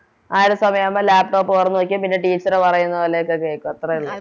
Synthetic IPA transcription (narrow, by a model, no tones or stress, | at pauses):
aːɾesɐmɐjamːalaːp̚ʈo̞ːpːɨʋɐrɐnːuʋɐk̬ʲːumpinːe̞ʈiːt͡ɕːɐɾepɐrɐjunːɐoːlejokːekeːkːuɐt̪ːrɐiɭːɐ